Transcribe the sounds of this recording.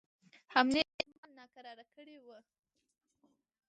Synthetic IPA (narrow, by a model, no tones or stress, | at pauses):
hamnemmɑlnɑkaɾɑɾakəɽewə